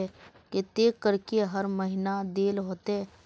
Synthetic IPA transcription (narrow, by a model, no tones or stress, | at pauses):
ɛ | ket̪eːkəɾkeɦɐɾməɦɪnad̪eːlɦoːt̪eɦɛː